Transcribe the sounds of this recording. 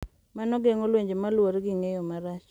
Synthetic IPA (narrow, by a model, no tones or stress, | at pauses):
manɔɡeŋolweɲd͡ʒemalwoɾɡɪŋejɔmaɾat͡ʃ